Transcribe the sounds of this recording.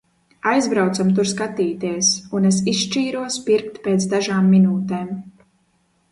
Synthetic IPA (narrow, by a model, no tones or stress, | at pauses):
ajzbɾawt̪samt̪̬uɾskat̪iːt̪iɛsunes̬isʃt͡ʃiːɾuɔspiɾkt̪peːt̪sd̪aʒaːmːinuːt̪eːm